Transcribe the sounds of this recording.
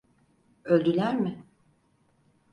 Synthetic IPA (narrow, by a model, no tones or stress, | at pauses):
ølʲd̪ylʲæɾmɪ